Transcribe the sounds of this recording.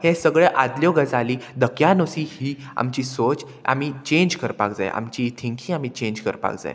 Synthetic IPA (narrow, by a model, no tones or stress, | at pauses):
hẽsəɡɭɛʔad̪ljɔɡəd͡zaliːd̪əkjanosiːhiː | a̰mt͡ɕiːsot͡s | a̰mit͡ɕẽɲd͡ʑkəɾpakd͡za̰j̰ʔa̰mt͡ɕiːt̪ʰĩŋkʰĩam̤it͡ɕẽɲd͡ʑkə̰ɾpa̰kd͡za̰j